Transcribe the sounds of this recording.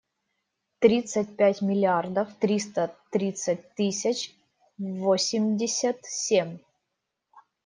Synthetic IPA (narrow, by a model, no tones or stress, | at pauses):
t̪ɾʲit̪sət̚ʲpʲætʲmʲɪlʲɪard̪əft̪ɾʲist̪ət̪ɾʲit̪sət̚ʲt̪ɨsʲɪt͡ɕ | vosʲɪmʲdʲɪsʲət̪sʲemʲ